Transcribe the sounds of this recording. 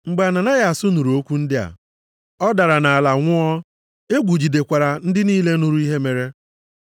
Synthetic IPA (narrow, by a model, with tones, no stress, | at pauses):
ŋ͡m̩˨ɡ͡ba˨na˨na˦ɣa˨a˨sʊ˦nu˨ɾu˨o˦kʷu˦n̩˦dɪ˦a̰˨ | ɔ˦da˨ɾa˨na˨a˨la˨ŋʷʊ˦ɔ˦ | e˦ɡʷu˨d͡ʒi˨de˨kʷa˨ɾa˨n̩˦dɪ˦niː˦le˦nu˦ɾu˦i˦ɦe˦me˨ɾe˦